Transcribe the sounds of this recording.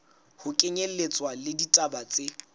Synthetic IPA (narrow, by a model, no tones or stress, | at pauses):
hʊkʼeɲellet͡sʼwalɪditʼabat͡sʼe